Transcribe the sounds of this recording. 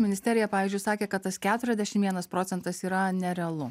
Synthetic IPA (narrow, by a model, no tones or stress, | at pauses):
mʲɪnʲɪst̪ʲɛːɾʲɪjɛppɑːʋʲizʲd͡ʒʲʊɪsɑːkʲeːkɐt̪t̪ɐskʲæːt̪ʊɾʲɛzʲd̪ʲɛʃʲɪmʋʲiɛnɐspɾoːsʲɛnt̪ɐsiːɾɐnʲɛɾʲɛɐlˠʊ